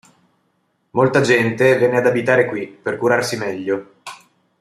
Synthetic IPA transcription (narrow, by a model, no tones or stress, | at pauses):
molt̪ad͡ʒɛnt̪evjɛnːead̪abit̪aːɾekwiperkuɾarsimɛʎːo